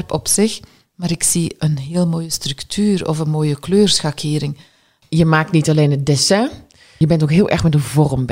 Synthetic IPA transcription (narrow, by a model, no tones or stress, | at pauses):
rpɔpsɪx | maːɾɪksiənɦɪːlˠmoːjəstrɵktʰyːrɔ̰fənmoːjəkløːrsxakʰɪːɾɪŋ | jəmaːk̚tnitɑleːnədɛsɛ̃ | jəbɛntokɦɪːlˠʔɛ̰ɹxmɛtdəvɔrmb